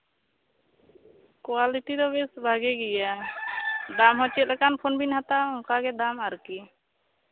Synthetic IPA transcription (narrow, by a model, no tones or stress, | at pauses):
kwaliʈid̪ɔbɛsbʱaɡɛɡɛja | d̪amɦɔ̃t͡ʃɛt̪̚lɛkanpʰonbinɦat̪aɔ̃ŋkaɡɛd̪amaɾki